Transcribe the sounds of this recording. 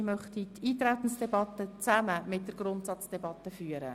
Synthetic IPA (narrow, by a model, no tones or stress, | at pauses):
mœχt̪itʰiːt̪ɾæt̪n̩sd̥ɛbɑt̪ːət͡sæməmɪt̚d̥əɾɡɾʊntsɑt͡sd̥ɛbɑt̪əfyːəɾə̰